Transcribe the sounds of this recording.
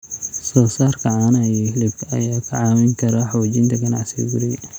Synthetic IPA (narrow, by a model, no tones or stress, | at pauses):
sɔːsaːrkʰɐʕaːnɐjɛhɪlɪbkʰɐɐ̰jaːkʰɐʕaːwɪŋkʰɐɾɐħɑt͡ʃɪnt̪ʰɐɡɐnɑʕsḭɡʊɾɪ